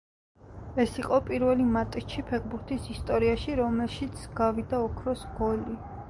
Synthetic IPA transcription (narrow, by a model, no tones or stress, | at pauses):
ɛsiqʼɔpʼiɾvɛlimat̪ʼt͡ʃʰipʰɛʁbuɾt̪ʰisist̪ʼɔɾiaʃiɾɔmɛlʃit̪sʰɡ̥avid̪aɔkʰɾɔsɡɔli